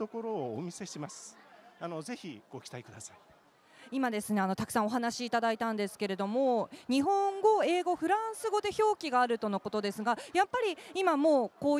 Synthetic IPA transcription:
t̪o̞ko̞ɾo̞ːmʲise̞ɕimasɨ̥ano̞ze̞çiɡ̥okʲi̥t̪aikɯ̟d̪asai | imad̪e̞sɨne̞ano̞t̪akɯ̟̥são̞ɦanaɕiːt̪ad̪ait̪ãnd̪e̞sɨ̥ke̞ɾe̞d̪o̞moɲ̟iɦõ̞ŋɡo̞e̞ːɡo̞ɸɯ̟ɾãɰ̃sɨɡo̞d̪e̞ço̞ːkʲiɡaːɾɯ̟t̪o̞no̞ko̞t̪o̞d̪e̞sɨɡajapːaɾʲiimamo̞ːkoː

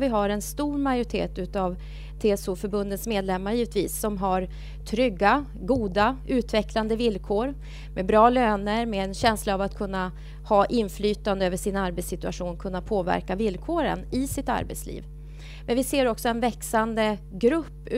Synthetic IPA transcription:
vɪɦaɾɛnst̪uːɾmajʊɾɪt̪ʰḛːt̪ʉ̟ːt̪av | t̪ʰeːɛsufœɾbɵnd̪ət̪smeːd̪lɛmːaɾjiːvət̪viːsːɔmɦaɾ | t̪ʰɾʏɡːa | ɡuːd̪aʉ̟ːt̪vɛkland̪əvɪlkʰoːɾ | mʔɛbɾɑːløːnəɾmɛːnɕɛnslaːvat̪kʰɵnːa | hɑːʔɪnːflyːt̪and̪əøːvəʂɪnaɾbɛt̪sɪt̪ɵa̰ʂuːnkʰɵnːapʰoːvæ̰ɾkavɪlːkʰoːɾə̰nɪsɪt̪a̰ɾbɛ̰t̪slḭːv | mɛnvɪseːɾɔksɔɛnvɛksand̪əɡɾɵpː

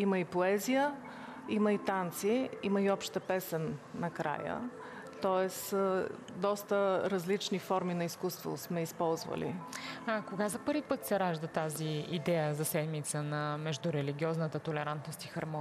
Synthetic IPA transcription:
iməipoɛzijə | imɐit̪ant̪siiməiɔpʃt̪əpɛsɛnːɐkɾa̰jə̰ | t̪ɔɛs | d̪ɔst̪əɾɐzlit͡ʃnifɔɾminɐiskust̪vo̰smɛispɔlˠzvə̰lḭakoɡazɐpɤɾvipɤt̪sɛɾaʒd̪ət̪aziid̪ɛjəzɐsɛd̪mit̪sənɐmɛʒd̪ʊɾɛliɡʲiɔznət̪ət̪olɛɾant̪nost̪ixɐɾm

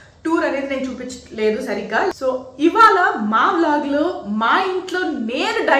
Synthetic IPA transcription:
ʈuːɾɐneːd̪ineːnt͡ʃuːpit͡ʃːɐ̥le̞ːd̪usɐɾiɡaːsoːiʋaːɭɐmaːʋlaːɡlumaːiɳʈloːne̞ːnuɖɐ

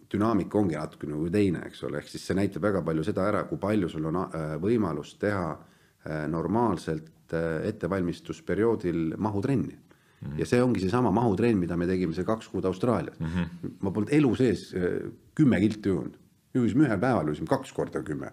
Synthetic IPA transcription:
t̪ynɑːmikːˑo̞ŋɡ̥inɑt̪ːˑu̥kːˑenekujt̪e̞jnḛḛkso̞̰lḛe̞hksisse̞næjt̪ːˑɑb̥væɡ̥ɑpɑlʲjuse̞d̪̥ɑæɾɑkujpɑlʲjusulːonɑvɤjmɑlustt̪e̞ɦɑ | no̞rmɑːlse̞lt̪e̞t̪ˑːe̞vɑlʲmist̪uspe̞ɾio̞ːd̪̥ilmɑɦut̪re̞nʲːi | jɑ̰se̞ːoŋɡ̥ise̞sɑmɑmɑɦut̪re̞nːmid̪ɑme̞t̪e̞ɡimesekɑkskuːd̪̥ɑwst̪rɑːlʲiɑ̰smɑpolnd̪e̞luse̞ːskymːekilt̪ːˑjund̪̥ | muɡis̬imyɦelpæevɑljusʲimkɑksko̞rd̪̥ɑkymːḛ

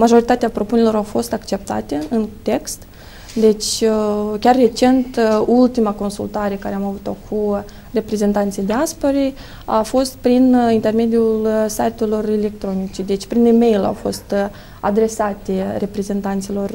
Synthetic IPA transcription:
maʒo̞ɾit̪at̪eapɾo̞pune̞lo̞ɾawfo̞st̪akt͡ʃe̞p̚t̪a̰t̪e̞ɨnt̪e̞kst̪ | d̪e̞t͡ʃʲ | kʲarːe̞t͡ʃe̞nt̪ult̪imako̞nsṵlt̪aɾe̞kaɾeamavut̪o̞kʰu | re̞pɾe̞ze̞nt̪ant̪sijd̪easpoɾe | afo̞st̪̚pɾinint̪e̞rme̞d̪iulsajt̪elo̞rele̞k̚t̪ɾo̞nit͡ʃed̪e̞t͡ʃʲpɾineme̞jla̰wfo̞̰st̪ | a̰d̪ɾe̞sat̪ere̞pɾe̞ze̞nt̪ant̪silo̞r

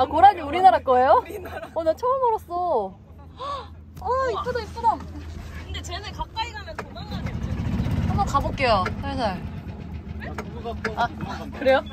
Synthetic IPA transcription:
akoɾaɲiuɾinaɾak͈ʌejoonat͡ɕʰʌɯmʌɾʌs͈ʌ | ait͈udoip̚k͈onakɯnde̞t͡ɕenɯkap̚k͈ainamjʌnkomaŋaneeanmbʌnkabok͈ejosʰasaɭ | akɯɾe̞jo

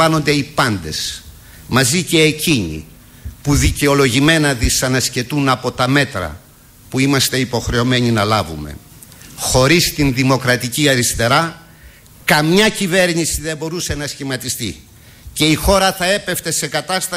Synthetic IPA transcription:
ɐno̞nd̪e̞ipɐnd̪e̞s | mɐzice̞ːciɲḭ | puðice̞o̞lo̞ʝime̞nɐðisɐnɐsce̞t̪unɐpo̞t̪ɐme̞t̪ɾɐ̰ | puimɐst̪e̞ipo̞xɾe̞o̞me̞ɲinɐlɐvṵme̞̰ | xo̞ɾist̪inðimo̞kɾɐt̪iciɐɾist̪e̞ɾɐ | kɐmɲɐcive̞ɾɲisiðe̞mbo̞ɾuse̞nɐsçimɐt̪ist̪i | ce̞ixo̞ɾɐθɐe̞pe̞ft̪e̞se̞kɐt̪ɐst̪ɐ

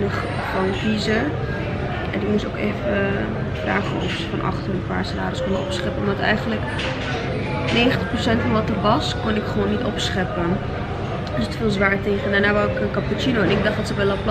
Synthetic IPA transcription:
nəχ | fɑnfizə | ɛ̰diunɪso̰wkefə | fra̰ːχfnsəfɑnʔɑ̰χtənəpa̰ːrsəda̰ːɾəskonəɔ̰psχɛpəɔmdɑtɛ̰jχənlək | neːχəntə̥χprosɛntfɔnʋɑtərʋɑskonɪkχəʋoːnːitɔpsχɛpə | əsətfɪːlˠzʋaːɹəteːχənanaʋaɪkənkɑput͡ʃinoɛnɪɡ̚dɑχdɑtsəbɛlap

